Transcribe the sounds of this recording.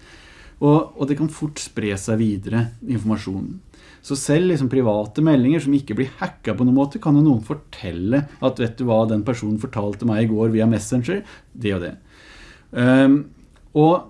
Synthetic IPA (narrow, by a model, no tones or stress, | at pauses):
ɔːd̪ɛkʰɑnfʊʈːspɾeːsæɪʋiːd̪əɾəɪnfɔɾmɑʂuːnn̩ | sɔsɛlːɪks̬ɔmpʰɾɪʋɑːt̪əmɛlːɪŋəʂɔmɪkːəblɪɾhækːɑpʰɔnuːnmoːt̪əkʰɑnd̪ʉnuːənfɔʈʰɛlːəɑt̪ʋeːt̪̚d̪ʉʋɑd̪ɛnpæʂuːnn̩fɔʈʰɑːlt̪əmæɪɪɡoːɾʋiːɑmɛsənd͡ʒəɾ | d̪ɛjʊd̪ɛ̰ | ɔ